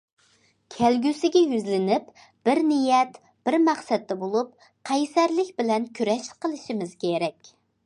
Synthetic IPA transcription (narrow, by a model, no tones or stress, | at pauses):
kʲʰælɡʲysɪɡʲɛjyzlɪnɪp | b̥ɪɾnijɛt̪ | b̥ɪɾmæqsɛt̪ːɛbolˠup̚ | qʰɑjsæɾlɪkʲbɪlɛnkʲʰyɾɛʃqːəlˠɨʃimɪz̥kʲʰeɾɛkʲ